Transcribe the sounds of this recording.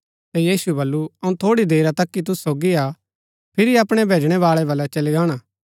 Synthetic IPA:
t̪ɛjiːsuɛbɐlːuɐũt̪ʰoːɽid̪eːɾat̪ɐkːit̪̬ʊssoːɡiaː | pʰɪɾiɐpɽ̃ɛbʱeːd͡ʒɽ̃ɛʋaːɭɛbɐlːɛt͡ʃɐliɡaːɽ̃aː

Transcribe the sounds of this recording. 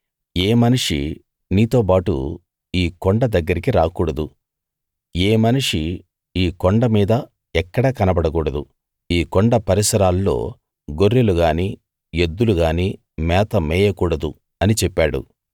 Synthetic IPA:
eːmɐniʂi | niːt̪o̞ːp̬aːʈṵ | iːkoɳɖɐd̪ɐɡːɐɾikiɾaːkuːɽɐd̪u | eːmɐniʂi | iːkoɳɖɐmiːd̪ɐ | ɛkːɐɽɐːkɐnɐbɐɽɐkuːɽɐd̪u | iːkoɔɳɖɐpɐɾisɐɾaːlːo̞̰ː | ɡo̞ɾːeluɡaːniː | ed̪ːuluɡaːniː | mɛːt̪ɐmɛːjɐkuːɽɐd̪u | ɐnit͡ʃɛpːaːɽṵ

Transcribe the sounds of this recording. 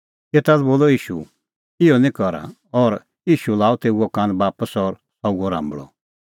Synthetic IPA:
et̪alboːlɔiːʃṵ | ɪjɔnĩkɔɾa̰ | ɔɾ | iːʃulaːɔt̪eːuɔkãnbaːpəsɔɾ | auɔɾã̰ːmbɭɔ̰

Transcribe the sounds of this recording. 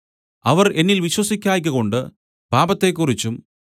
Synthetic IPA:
ɐʋɐre̞nːilʋiɕwɐsikʲːaːjk̬ʲːɨko̞ɳɖɨ | paːbɐt̪ːe̞ːkːurit͡ɕːum

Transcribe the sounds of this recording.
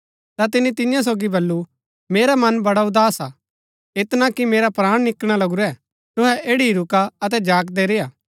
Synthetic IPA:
t̪at̪̬ɪnit̪ɪjãs̬oːɡibɐlːu | meːɾamɐnbɐɽaʊd̪aːsa | ɪt̪nãkimeːɾapɾaːɽ̃nɪkɽ̃alɐɡuɾɛ | t̪ʊɦɛʔeːɽiɾʊkaɐt̪̬ɛd͡ʒaːk̬d̪ɛɾeːjaː

